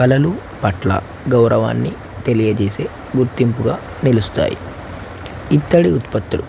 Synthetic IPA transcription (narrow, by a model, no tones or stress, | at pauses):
kɐlɐlu | pɐʈlɐ̰ | ɡɐwɾʔɐʋa̰ːnːi | t̪e̞lijɐt͡ʃeːseː | ɡuɾt̪impuɡaː | nilust̪a̰ːjḭ | it̪ːɐɽiut̪pɐt̪ːulu